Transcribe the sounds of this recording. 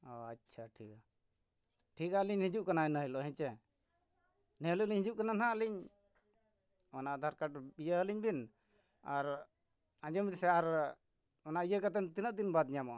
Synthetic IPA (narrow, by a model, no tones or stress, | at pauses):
ɔatːt͡ʃʰaʈʰika | ʈʰikaliɲhĩd͡ʒuʔkanaɛnəɦilɔʔɦɛ̃t͡ʃɛ | nɛluliɲhĩd͡ʒuʔkananɦaliɲ | ɔnaʔd̪ʱaɾkaʈbijəəliɲbin | aɾ | ãd͡ʒɔmisɛaɾ | ɔnaʔijəkat̪̬ɛnt̪inəʔd̪inbad̪̚ɲamɔ